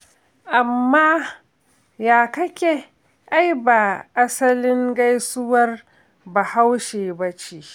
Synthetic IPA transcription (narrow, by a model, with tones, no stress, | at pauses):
ʔa˨mːaː˦ | jaː˨kɐ˦kʲe˨ | ʔa˦jbaː˨ʔa˦sɐ˦lɪ˦ŋɡa˦jsʊ˦wɐ˦r | ba˨ha˦wʃeː˨bɐ˦t͡ʃe˦ʔ